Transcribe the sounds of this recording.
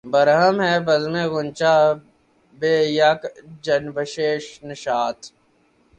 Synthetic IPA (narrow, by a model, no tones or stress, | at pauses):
bəɾɦəmɦɛːbəzmẽːɣʊnt͡ʃaː | beːjakd͡ʒənbəʃeːʃnɪʃaːt̪ʰ